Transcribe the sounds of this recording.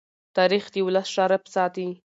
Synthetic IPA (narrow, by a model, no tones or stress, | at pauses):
t̪ɑɾixd̪ewlasʂɑɾapə̥sɑt̪i